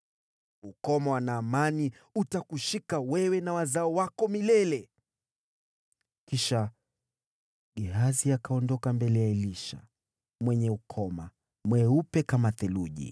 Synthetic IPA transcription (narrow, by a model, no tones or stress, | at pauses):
ukɔmawanaːmani | utakuʃikawɛwɛnawazaɔwakɔmilɛlɛ | kiʃa | ɡiɦaziakaɔndɔkambɛlɛjaɛliʃa̰ | mwɛɲɛukʰɔma | mwɛupɛkamaθɛluʄḭ